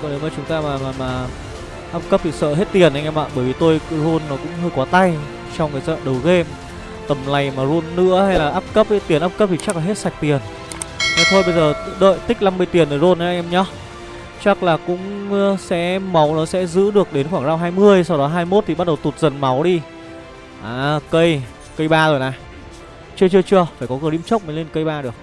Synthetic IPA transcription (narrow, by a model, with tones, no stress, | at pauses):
kɔ˨˩ɗe˨˦wmaː˨˩t͡ɕʊ˨˦ŋ͡mt̪aː˧maː˨˩maː˨˩maː˨˩ | ʔaː˦˥p̚kə˦˥p̚t̪ʰi˨˩sə̰ː˧˨ɦe˦˥t̚t̪i˨˩ənʔa˧jŋʔɛ˧ma̰ː˧˨ɓəː˧˩jvi˨˩t̪o˧jzu˧nːɔ˨˦kʊ̰˧˥ŋ͡mhəː˧jkɔ˨˦t̪a˧j | t͡ɕɔ˧wŋ͡mkːzɔ̰ː˧˨ɗə˨˩wɣe˧m | t̪ə˨˩mla˨˩jmaː˨˩zu˧nːɨ̰˧˥əha˧jlaː˨˩ʔaː˦˥p̚kə˦˥p̚he˦˥t̪i˨˩ənʔaː˦˥p̚kə˦˥p̚t̪ʰi˨˩t͡ɕa˦˥k̚laː˨˩ɦe˦˥t̚sa˨˩jk̚t̪i˨˩ən | vaː˨˩t̪ʰo˧jɓə˧jzəː˨˩ɗə̰ː˧˨jt̪ï˦˥k̟̚na˧mːɨ˧əjt̪i˨˩ənʔəː˧˩jzo˧nʔə˨˦ʔa˧jŋʔɛ˧mɲɔ˨˦ | t͡ɕa˦˥k̚laː˨˩kʊ̰˧˥ŋ͡msɛ̰˧˥ma˨˦wnɔ˨˦sɛ̰˧˥zɨ̰˧˥ɗɨ˨˩ək̚ɗe˨˦nxwaː˧˩ŋzaː˧wɦaː˧jmɨ˧əjsa˧wɗɔ˨˦ɦaː˧jmo˦˥t̚t̪ʰi˨˩ɓa˦˥t̚ɗə˨˩wt̪u˨˩t̚zə˨˩nma˨˦wɗi˧ | ʔaː˨˦kə˧j | kə˧jɓaː˧zo˨˩jnaː˨˩ | t͡ɕɨ˧ət͡ɕɨ˧ət͡ɕɨ˧əfaː˧˩jkɔ˨˦kɨ˨˩nḭ˧˥mt͡ɕə˦˥wk͡p̚mə˨˦nle˧nkə˧jɓaː˧ɗɨ˨˩ək̚